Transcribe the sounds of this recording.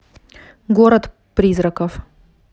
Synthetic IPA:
ɡɔɾɐt̪ | pɾʲizɾɐkəf

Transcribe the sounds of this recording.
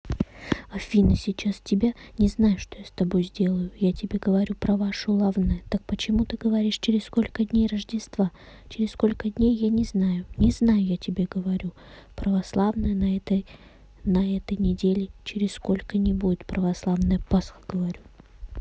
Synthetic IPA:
ɐfʲinəsʲɪt͡ɕastʲɪbʲanʲɪznajʊʂt̪ojast̪ɐbo̞jzʲdʲe̞lˠəjʊjatʲɪbʲeɡəvɐɾʲupɾɐvaʂʊlˠavnəjət̪ak̚pət͡ɕɪmut̪ɨɡəvɐɾʲiʂt͡ɕɪɾʲɪssko̞lʲkədʲnʲejrəʐdʲɪst̪v̥a | t͡ɕɪɾʲɪssko̞lʲkədʲnʲejːanʲɪznajʊnʲɪznajʊjatʲɪbʲeɡəvɐɾʲu | pɾəvɐslˠavnəjənɐɛt̪əj | nɐɛt̪əjnʲɪdʲelʲɪt͡ɕɪɾʲɪssko̞lʲkənʲɪbudʲɪt̪pɾəvɐslˠavnəjəpasxə̥ɡ̥əvɐɾʲu

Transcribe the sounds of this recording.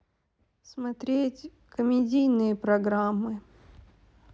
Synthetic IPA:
smɐt̪ɾʲetʲ | kəmʲɪdʲijnɨjəpɾɐɡɾamːɨ

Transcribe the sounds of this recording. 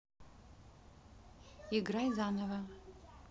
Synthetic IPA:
iɡrajzanɐva

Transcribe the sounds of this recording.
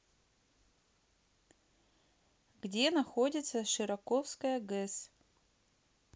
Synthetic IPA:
ɡ̥dʲenɐxodʲɪt̪sɐʂɨɾɐkofskɐjɐɡɨs

